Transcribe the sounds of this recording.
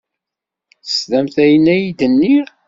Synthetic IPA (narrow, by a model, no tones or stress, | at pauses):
θəsðæmθæjənːæjid̪ənːiɾ